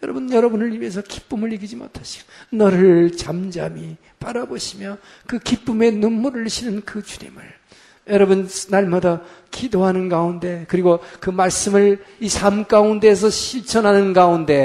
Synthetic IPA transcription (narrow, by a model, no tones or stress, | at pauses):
jʌɾʌbunjʌɾʌbunɯɭibe̞s̬ʰʌki̥p͈ɯmɯɾiɡid͡ʑimo̰tʰaɕʰi̥ɡ̥onʌɾɯt͡ɕamd͡ʑami | paɾaboɕʰimjʌ | kɯkip͈ume̞numːuɾɯɭɕʰinɯnkɯt͡ɕuɲḭmɯ̰ɭ | jʌɾʌbunnaɭmada | kidoɦanɯnɡaunde̞kɯɾiɡokɯmaɭs͈ɯmɯɭisʰamk͈aunde̞s̬ʰʌɕʰiɭt͡ɕʰʌnɦanɯnɡaunde̞